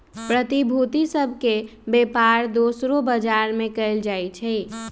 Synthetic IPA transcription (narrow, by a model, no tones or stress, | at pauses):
pɾət̪ibʱut̪isəbʱkebepaɾd̪osɾobəd͡ʒaɾmekəɪld͡ʒajt͡ʃʰɛ